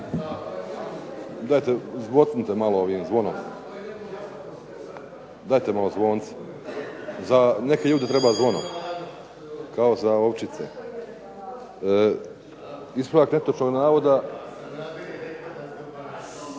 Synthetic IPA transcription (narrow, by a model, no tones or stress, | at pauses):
d̪aːjt̪ezʋot̪int̪emalooʋiːmzʋo̞nom | d̪aːjt̪emalo̞zʋoːnt̪si̥ | zaneke̞ʎuːd̪e̞t̪ɾebaːzʋo̞no̰m | kao̞zaoʋt͡ʃit̪sḛ | ispɾoaknet̪ot͡ʃoɡnaːʋo̞d̪a